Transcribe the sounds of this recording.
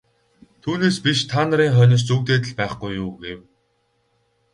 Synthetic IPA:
t̪ʰuːneːspiʃt̪ʰaːnə̆ɾiːŋχœnʲɪ̆st͡sukt̪eːt̪̬ɘ̆ɮpæːχɡujːuːɡew

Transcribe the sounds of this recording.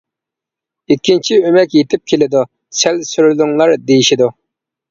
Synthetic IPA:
ikʲʰːint͡ʃʰiømɛkʲjet̪ʰɪp̚kʲʰelɪd̪u | sɛlsyɾlyŋlˠɑɾd̪ejiʃid̪u

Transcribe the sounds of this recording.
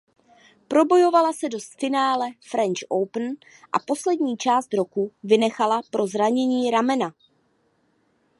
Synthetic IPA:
pɾo̞bo̞jo̞valasɛdo̞sfɪnaːlɛfɾɛnt͡ʃʔowpn̩ | ʔa̰po̞slɛdɲiːt͡ʃaːst̪ɾo̞kuvɪnɛxalapɾo̞zɾaɲɛɲiːɾamɛna

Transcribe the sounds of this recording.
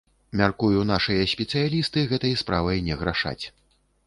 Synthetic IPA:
mʲarkujunaʂɨjɐsʲpʲɛt̪sɨjalʲist̪ɨɣɛt̪ɐjspɾavɐjnʲɛɣɾaʂa̰t͡sʲ

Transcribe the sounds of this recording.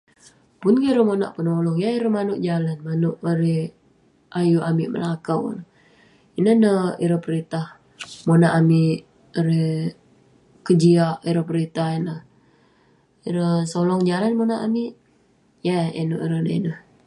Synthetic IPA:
pʊnkiɾəmona̰ʔpənolɔŋjaiɾəmanʊʔd͡ʒalanmanʊʔəɾih | ʔajuamɪʔmə̰lakəw̰nə | inəhnəḭɾəpəɾit̪ah | monaʔamiʔʔ | əɾih | kəd͡ʒiaʔiɾəpəɾit̪ahinəh | iɾəsolɔŋd͡ʒalanmonaʔamiʔ | jaḭnoʔiɾənə̰ḭnəh

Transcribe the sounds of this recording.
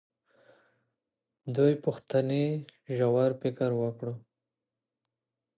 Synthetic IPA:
d̪ujpʊxt̪aneʒawaɾpɪkaɾwəkɽu

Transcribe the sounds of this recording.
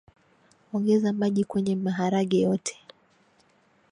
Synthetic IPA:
ɔŋɡɛzamaʄikwɛɲɛmaɦaɾaɠajɔtʰɛ̥

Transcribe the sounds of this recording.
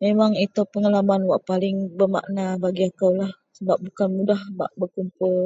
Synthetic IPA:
memaŋit̪opəŋalamanwaʔpalɪŋbərma̰ʔnabaɡiakawlahsəbap̚bukanmudahba̰ʔbərkumpʊl

